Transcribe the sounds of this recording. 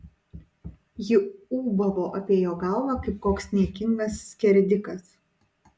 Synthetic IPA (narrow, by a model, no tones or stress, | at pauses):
jɪuːbɐʋoːʔɐpʲeːjoːɡɑˑlˠʋɑkɐɪp̚koːksnʲiɛkʲɪŋɡɐsːʲkʲɛɾʲd̪ʲɪkɐs